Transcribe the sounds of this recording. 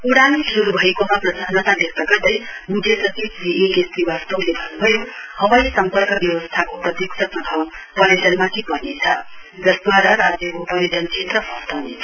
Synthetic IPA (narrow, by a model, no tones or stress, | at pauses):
uɽanisuɾubʱʌekomaprʌsanʌt̪alekt̪ʌɡʌrd̪ʌjmud̪ʱesʌt͡sibd͡ziikest̪iwast̪owlebʱʌnubʱʌjohʌwajsʌmpʌrkʌbjʌwʌst̪ʰakoprʌt̪jiksʰʌprʌb̪ʰʱʌmpʌɾesʌnmat̪ʰipʌnet͡sʰʌ̰d͡zʌsd̪waɾaɾad͡zjʌupʌɾed̪ʱʌnt͡sʰet̪rʌbʌst̪aneʌ